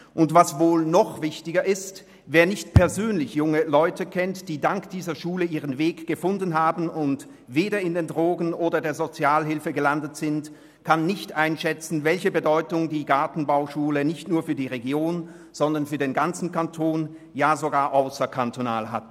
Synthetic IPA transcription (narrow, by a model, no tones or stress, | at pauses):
ʔʊntv̥asvoːlnɔχv̥ɪçtɪɡɐʔɪst | veːɐnɪçtpʰɛɐzøːnlɪçjʊŋəlɔʏtəkʰɛntd̥iːdaŋkd̥iːzɐʃuːləʔiːʁənveːkɡ̥əfʊndən̩ɦaːbn̩ʊnt | veːdɐɪndeːndʁoːɡnʔoːdɐdeːɐzot͡sjaːlɦɪlfəɡəlandətz̥ɪnt | kʰanːɪçtʔaɪnʃɛt͡sn̩vɛlçəbədɔʏtʊŋdiːɡaɐtn̩baʊʃuːlənɪçtnuːɐfyːɐdiːʁeɡjoːn | z̥ɔndɐnfyːɐdeːnɡant͡sn̩kʰantʰoːn | jaːzoɡaːɐʔaʊsɐkʰantona̰ːlɦa̰t